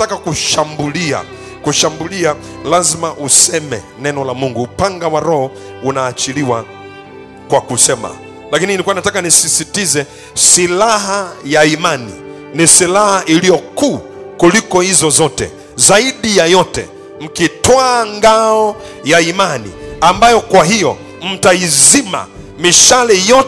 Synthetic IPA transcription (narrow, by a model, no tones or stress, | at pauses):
takakuʃambulia̰ | kuʃambulia | lazimaʔusɛmɛ̰nɛnɔlamuŋɡuːpaŋɡawaɾɔhɔ | unaːt͡ʃiliwa | kwakusɛma̰ | lakinilikuwanatakanisisitizɛ | silaɦajaimanḭ | nisilahaʔilijɔkuː | kulikɔhizɔzɔtɛ̰ | zaiɗijajɔtɛ̰ | m̩kitɔaŋɡaɔ | jaimanḭambajɔkwaɦijɔ | m̩taizima̰ | miʃalɛjɔ